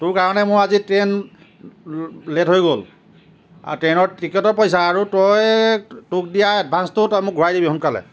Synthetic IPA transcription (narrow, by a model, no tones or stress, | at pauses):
tʊɹkaɹɔnɛmʊɹazitɹen | letɦojɡol | a̰tɹenɔɹtikitɔɹpɔjsaːɹutɔjtuk̚dijaɛd̚bʱanstʊtɔjmʊk̚ɡʱuɹajdibiɦunkalɛ̰